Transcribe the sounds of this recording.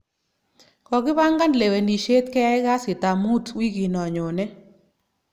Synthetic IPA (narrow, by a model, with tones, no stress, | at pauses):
kɔ˨ɡɪ˦ba˦ŋɡa˦nle˨we˨ni˨ʃe˦t̪kɛ˦ɛ˦ɡa˦sɪ˨t̪a˨mu˦twi˦ɡi˨nɔ˨ɲo˨nɛ˦